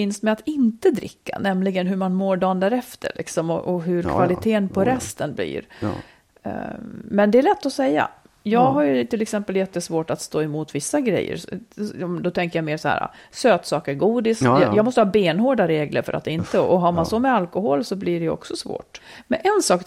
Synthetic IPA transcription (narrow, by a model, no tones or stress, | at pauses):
ɪnst̪mɛat̪ɪnt̪əd̪ɾɪ̰kːa̰nɛmlɪɡənɦɵɾmanmoːɖɑːənd̪æːɾɛft̪ʰə̰ɭʔɪ̰ksɔmɔ̰ʔɔɦɵɾkʰvalɪt̪ʰeːənpʰɔɾɛst̪ənblḭːɾ̰ | mɛnd̪ɛːɭɛt̪ːɔsɛjːa̰ | jɑːɡɦaɾjɵt̪ʰɪlːɛksɛmpəljɛt̪ːəsvoːʈat̪st̪oːɛmuːt̪vɪsːaɡɾɛ̰jːə̰ɾɔmd̪ɔt̪ʰɛŋkəjameːɾʂɔhæ̰ːɾa̰ | søːt̪sɑːkəɡuːd̪ɪskjjɑːɡmɔst̪əhɑːbeːnhoːɖaɾeːɡlʔə̰ɾfœ̰ɾʔat̪ɪnt̪əʔɔɦaɾmansɔmɛalkɔɦoːlsɔbliɖɛɔ̰ksɔsvo̰ːʈmɛnʔɛnsɑːk